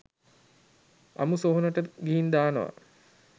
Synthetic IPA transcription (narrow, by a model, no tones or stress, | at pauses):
a̰musoːɦunəʈəɡiɦind̪aːnəʋa̰